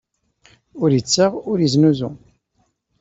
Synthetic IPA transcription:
ʊɾjət͡sːəʁʊɾjəznuzu

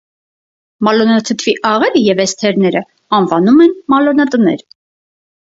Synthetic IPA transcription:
mɑlɔnɑt̪ʰət̪ʰviʔɑʁɛɾəjɛvɛst̪ʰɛɾnɛɾə | ɑnvɑnumɛnmɑlɔnɑt̪ənɛ̰ɾ

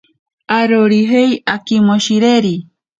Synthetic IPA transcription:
aɾoɾiɦejakimoʃiɾeɾi

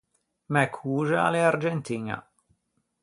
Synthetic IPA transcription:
mɛkʰuːʒaa̰leaɾd͡ʒɛnt̪iɲa̰

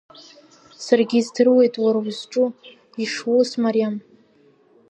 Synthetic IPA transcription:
sarɡʲizdɨrwe̞jtʼwaɾwzʈ͡ʂʼu | iʂwosmaɾijam

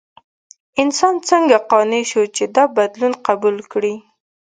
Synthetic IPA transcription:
ɪnsɑnt͡səŋɡaqɑneʃot͡ʃed̪ɑbad̪lunqabulkɽi

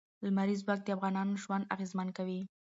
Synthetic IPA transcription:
ləmaɾizwak̚d̪əafɣɑnɑnoʒwand̪a̰ɣezmankawi

